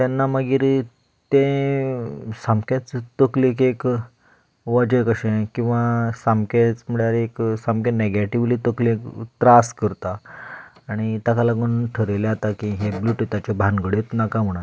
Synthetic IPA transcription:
t̪janːaməɡiːɾ | t̪ẽ | sãmkẽt͡st̪əklikek | ʋəd͡ʑəkəɕẽkĩw̃ʋasamket͡sm̤əɭaɾeksamkẽneɡeʈiʋlit̪əklekt̪ɾaskəɾt̪aː | ɽ̃it̪akalaɡunʈʰəɾeleat̪akĩɦebluʈit̪at͡ɕebʱanɡəɽet̪nakam̤əɽ̃a

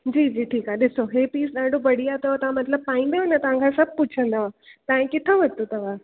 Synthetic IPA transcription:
d͡ʑiːd͡ʑiːʈʰiːkɦaɗɪsoɦepiːsɗaːɖʱobɐɽ̤ijat̪ɐʋat̪ɐʋ̤ãmɐt̪ləb̚paːĩnd̪eonət̪ɐʋ̤ãŋkʰasɐb̚ʱput͡ʃʰə̃nd̪aat̪ãːĩkɪt̪ʰaʋɐt̪ot̪ɐʋ̤a

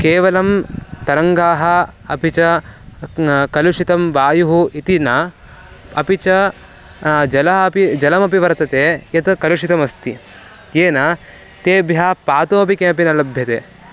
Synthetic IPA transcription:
keːʋɐlɐmt̪ɐɾɐŋɡaːɦɐ̆ɐpit͡ʃɐ | kɐluʂit̪ɐmʋaːjuɦuit̪inɐ | ɐpit͡ʃɐ | d͡ʒɐlɐɦɐɐpid͡ʒɐlɐmɐpiʋɐɾt̪ɐt̪eːjɐt̪kɐluʂit̪ɐmɐst̪i | jeːnɐ | t̪eːbjapaːt̪oːɐpikeːɐpinɐlɐbʱjɐt̪ḛː

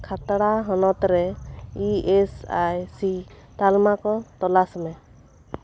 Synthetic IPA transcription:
kʰat̪ɽaɦɔnɔt̪ɾɛiesajsi | t̪almakɔt̪ɔlasmɛ

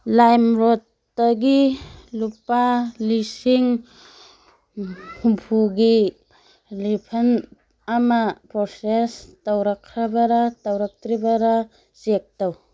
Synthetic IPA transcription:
lajmɾot | daɡilupalisiŋ | pʰumpʰuɡi | lipʰɐn | amapɾosestawɾakʰːɾabaɾatawɾak̚tɾibaɾa | zek̚taw

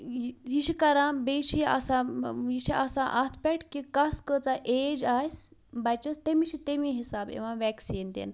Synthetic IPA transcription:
jiɕikɐɾãbeɕia̰sãjiʃiʔasãʔat̪ʰpɛʈkikaskət͡saʔed͡ʑajs | bajt͡ɕəst̪emiɕit̪emiɦisabḛ̃ʋãʋɛksiːnd̪ḛn

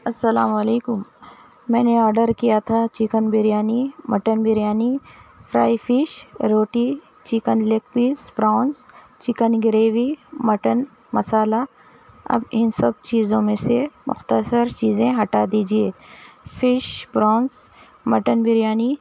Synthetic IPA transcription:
ɐsːəlaːməleːkʊm | mɛ̃ːneɔːɾɖəɾkijat̪ʰat͡ʃɪkənbɪɾjaːnimɐʈənbɪɾjaːnipʰɾaːifɪʃɾoːʈi | t͡ʃɪkənlek̚piːsbɾaːns | t͡ʃɪkənɡɪɾeːʋimɐʈən | mɐsaːla | ɐ̰bɪnsɐb̚t͡ʃiːzõmẽsemʊ̰xt̪əsəɾt͡ʃiːzẽɦɐʈad̪iːd͡ʒieːfɪʃbɾaːns | mɐʈənbɪɾjaːni

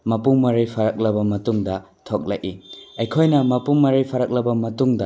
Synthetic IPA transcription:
mɐpuŋmɐɾijpʰɐɾɐk̚lɐbɐmɐtuŋdɐ | tʰok̚lɐjʔiɐjkʰojnɐmɐpumɐɾijpʰɐɾɐk̚lɐbɐmɐtuŋdɐ

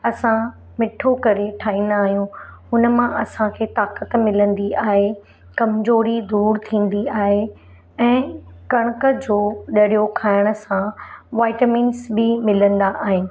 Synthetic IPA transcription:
ɐsã | mɪʈʰokɐɾeʈʰaːɦĩːn̆d̪aːɦijũ | ʊnə̆mãʔɐsãkʰeːt̪aːkət̪mɪlə̃nd̪iaːɦe | kɐmzoːɾid̪uːɾt̪ʰĩːn̆d̪iaːɦe | ɛ̃ːkɐɽ̃əkəd͡ʑoːɗɐɽijokʰaːɪɽ̃ə̆sãʋaːɪʈəmĩːnsbɪmɪlə̃nd̪aʔaːɦɪnɪ̆

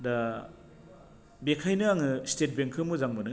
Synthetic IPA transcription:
da | bekʰajnɯaŋɯstet̚beŋkʰɯmuzaŋmɯnɯ

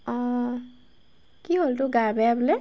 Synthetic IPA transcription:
ɔ | kiɦoltʊɡaɹbɛjabulɛ

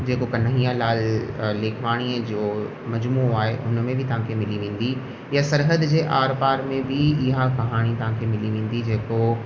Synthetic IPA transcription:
d͡ʑeːkokɐnɐɦijalaːlleːkʰʋaːɽ̃iəd͡ʑoː | mɐd͡ʑmuːaːɦeʔʊ̰nmẽbʱɪt̪ɐʋ̤ɦãkʰemɪliʋẽːn̆d̪i | jasɐɾɦəd̪d͡ʑeːʔaːɾpaːɾmẽbʱɪɪɦakɐɦaːɽ̃it̪ɐʋ̤ãkʰemɪliʋẽːn̆d̪id͡ʑeːko

